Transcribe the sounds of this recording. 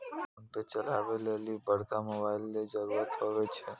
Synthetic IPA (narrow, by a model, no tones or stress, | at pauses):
əŋʈet͡ʃəlaʋelelibəɾt̪amɔbajlned͡ʒəɾuɾat̪ɦəʋet͡ʃʰe